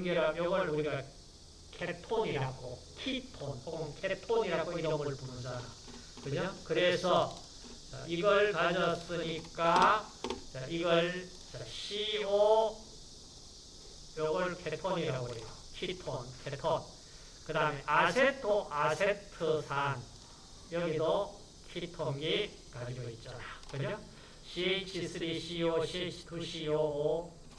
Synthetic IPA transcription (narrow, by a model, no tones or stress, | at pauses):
ŋɡeɾapjʌɡʌɭuɾiɡa | kʰetʰoɲiɾaɡo | kʰitʰonhoɡonkʰetʰoɲiɾaɡoiɾʌmʌɭpunɯnd͡ʑana | kɯɲokɯɾe̞sʰʌ | t͡ɕa̰ʔiɡʌɭkad͡ʑʌs͈ɯɲik͈a | t͡ɕaʔiɡʌɭ | t͡ɕaɕʰio | joɡʌɭkʰe̞tʰoɲiɾaɡoɦejokʰitʰonkʰetʰon | kɯdameʔasʰetʰoasʰetʰɯsʰan | jʌɡido | kʰitʰoŋɡi | kad͡ʑiɡʌit̚t͡ɕ͈anakɯɲo | ɕʰiet͡ɕʰisʰɯɾiɕʰioɕʰit͡ɕʰtʰuɕʰioː